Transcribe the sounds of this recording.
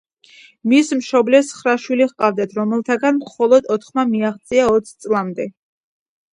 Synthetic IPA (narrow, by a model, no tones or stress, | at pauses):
mismʃɔblɛsχɾaʃwiliʁqʼavd̪at̪ʰɾɔmɛlˠt̪ʰaɡanmχɔlˠɔd̪ɔt̪ʰχmamiaχt̪sʼiaɔt̪sʰt̪sʼlˠamd̪ɛ